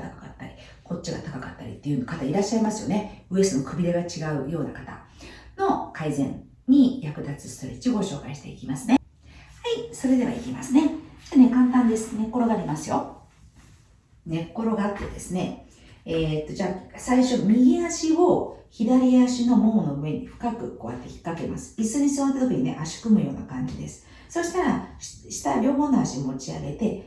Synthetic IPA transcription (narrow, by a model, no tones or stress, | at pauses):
t̪akḁka̰t̪ːaɾʲi | kʰo̞t͡ɕt͡ɕːiɡa̰t̪akakat̪ːaɾʲḭt̪ːe̞jiɯ̟nokat̪aiɾaɕːaimasɨjo̞̰ne̞ɯ̟e̞sɨnokɯ̟bʲid̪eɡat͡ɕiɡaɯ̟jo̞ːnakat̪a̰ | no̞kʰaizẽ̞̰n | ɲ̟ijakɯ̟d̪at͡sɨ̥sɨ̥t̪oɾet͡ɕioɡo̞ɕo̞ːkaiɕi̥t̪e̞̰ikʲimasɨne̞ | haiso̞ɾe̞d̪e̞βa̰ikʲimasɨne̞d͡ʑaːne̞kãnt̪ãnd̪e̞sɨ̥ne̞kːo̞ɾo̞ɡaːɾʲimasɨjo̞̰ | ne̞kːo̞ɾo̞ɡaːt̪ːe̞d̪e̞sɨne̞ | eːt̪ːo̞d͡ʑaːsaiɕo̞mʲiɡʲiaɕioçid̪aɾʲiaɕino̞mo̞ːno̞ɯ̟e̞ɲ̟iɸɯ̟̥kakɯ̟ko̞βa̰t̪ːeçi̥kːake̞masɨ̥isɨɲ̟isɨβat̪ːet̪ok̪ʲiɲ̟inḛʔaɕi̥kɯ̟mɯ̟jo̞ːna̰kãɲ̟d͡ʑid̪e̞sɨ̥ | so̞ɕi̥t̪aɾḁ | ɕi̥t̪aɾʲo̞ːɦo̞ːnːoaɕimo̞t͡ɕia̰ɡe̞t̪e̞